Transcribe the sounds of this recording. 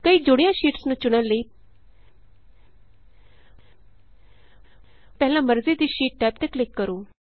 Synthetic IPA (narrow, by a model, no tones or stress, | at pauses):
kəiːd͡ʒoɽijãːʃiːʈsnũːt͡ʃʊɽ̃əlːəiː | pɛɦlãməɾzid̪iːʃiːʈ̚ʈɛːp̚t̪eklɪkːəɾoː